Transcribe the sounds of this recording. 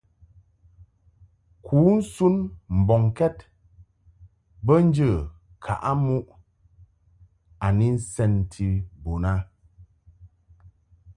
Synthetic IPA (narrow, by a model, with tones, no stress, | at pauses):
kʰuː˨˦n̩˦su˦nm̩˨bɔ˨ŋkɛ˦t | bə˦n̩˦d͡ʒə˦˨ | kʰa̰˨ʔa˦mu˦ʔ | a˨ni˦n̩˦sɛ˦ntʰi˦bo˨na˦